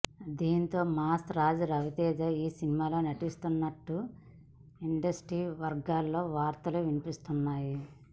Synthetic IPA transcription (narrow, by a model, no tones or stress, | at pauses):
d̪iːnt̪o̞ːmaːst̪ɾaːd͡ʒɐɾɐʋit̪ɛːd͡ʒɐiːsinimaːlo̞ːnɐʈist̪unːɐʈːu | iɳɖɐsʈɾiːʋɐɾɡaːlːo̞ːʋaːɾt̪ɐluʋinipist̪unːaːji